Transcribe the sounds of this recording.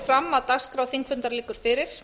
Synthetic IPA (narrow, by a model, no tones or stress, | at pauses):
fɾamːaðt̪askɾawθiŋkfʏnt̪aɾlɪːkʏɾ̥fɪɾɪɾ̥